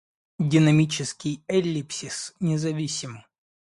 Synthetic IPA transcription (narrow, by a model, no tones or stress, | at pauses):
dʲɪnɐmʲit͡ɕɪskʲɪjɛlʲːipsʲisnʲɪzɐvʲisʲɪmɨ